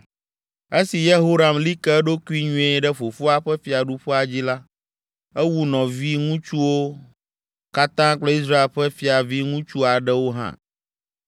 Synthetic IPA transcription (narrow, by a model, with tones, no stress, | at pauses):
e˦si˨je˦ɦo˦ɾa˨mli˦kɛ˦ɖo˦ku˦i˦ɲũ˦e˦ɖɛ˦ɸo˨fo˦a˦ɸɛ˦fi˨a˨ɖu˦ɸɛ˦a˨d͡ʑi˦la˦ | ɛ˦wu˦nɔ̃˨vi˦ŋũ˦t͡ʃu˦wo˦ | ka˦t̪ã˦k͡plɔ˦i˦s̬ɾa˦e˨lɸɛ˦fi˨a˨vi˦ŋũ˦t͡ʃu˦a˨ɖɛ˦wo˦ɦã̰˦˨